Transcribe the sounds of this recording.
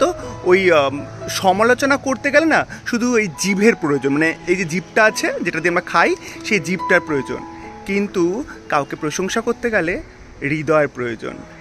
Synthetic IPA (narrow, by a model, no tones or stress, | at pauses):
t̪oojʃɔmalot͡ɕonakoɾt̪eɡɛlenaʃud̪ʱuejd͡ʑibʱeɾpɾojod͡ʑonmaneejd͡ʑed͡ʑibʈaat͡ɕʰed͡ʑeʈad̪iamɾakʰajʃejd͡ʑib̚ʈaɾpɾojod͡ʑo̰nkint̪ukawkepɾoʃoŋʃakoɾt̪eɡɛle | ɾid̪ɔeɾpɾojod͡ʑo̰n